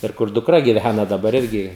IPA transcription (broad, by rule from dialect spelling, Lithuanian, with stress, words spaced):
ɪr ˈkʊr dʊkˈrɐ ɡʲɪˈʋʲænɐ dɐˈbɐr ˈɪrʲɡʲɪ